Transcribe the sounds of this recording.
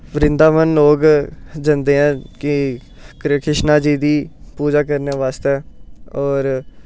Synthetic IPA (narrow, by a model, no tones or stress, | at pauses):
ʋəɾɪnd̪aːmənloːɡd͡ʒənd̪eːɛ̃ːkɪ | kɾkɾɪʃnaːd͡ʒiːd̪iːpuːd͡ʒaːkəɾnaːʋaːst̪ɛːɔːɾ